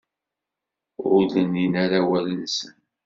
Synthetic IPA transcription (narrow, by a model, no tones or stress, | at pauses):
ʊləninaɾawælənsən